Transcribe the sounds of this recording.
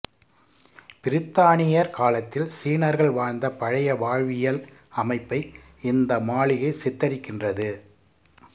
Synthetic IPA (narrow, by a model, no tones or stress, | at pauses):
pɪɾɪt̪ːaːɳɪjɐɾkaːlɐt̪ːɪlsiːnɐɾɣɐɭʋaːɾnd̪ɐpɐɻɐjɐʋaːɻʋɪjɐlɐmɐɪpːɐɪ | ɪnd̪ɐmaːɭɪɣɐɪsɪt̪ːɐɾɪkːɪndrɐðɯ